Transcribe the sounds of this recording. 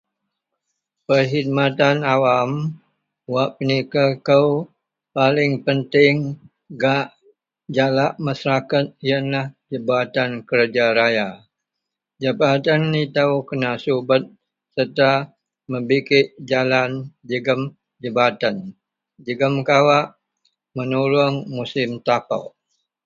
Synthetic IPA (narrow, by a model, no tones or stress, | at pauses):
pərɦid̪̚mat̪anawam | waʔpənikakəw | palɪŋpənt̪ɪŋ | ɡaʔ | d͡ʒalaʔmasɾakat̪̚ijanlahd͡ʒəbat̪ankəɾd͡ʒaɾaja | d͡ʒəbat̪anːit̪aukənasubət̪̚ | sərt̪a | məbikɪʔd͡ʒaland͡ʒəɡəm | d͡ʒəbat̪an | d͡ʒəɡəmkawaʔ | mənulʊŋmusɪmt̪apa̰wʔ